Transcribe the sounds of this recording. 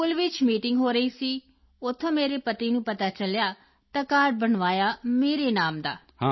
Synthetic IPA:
kʊlʋɪt͡ʃmiːʈɪŋɡɦoːɾəiːsiː | ʊt̪ʰːə̃ːmeːɾeːpət̪iːnũːpət̪aːt͡ʃəljaː | t̪aːkaːɾʈ̚bəɳʋaːjaːmeːɾeːnaːmd̪a̰ː | ha

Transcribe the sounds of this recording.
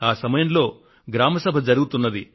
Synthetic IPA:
aːsɐmɐjɐmlo̞ː | ɡɾaːmɐsɐbʱɐd͡ʒɐɾuɡut̪unːɐd̪i

